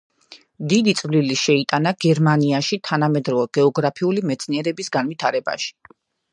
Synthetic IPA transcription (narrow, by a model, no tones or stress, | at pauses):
d̪id̪it̪sʼvliliʃɛit̪ʼanaɡ̥ɛɾmaniaʃit̪ʰanamɛd̪ɾɔvɛɡɛɔɡɾapʰiulimɛt̪sʰniɛɾɛbisɡanvit̪ʰaɾɛba̰ʃi̥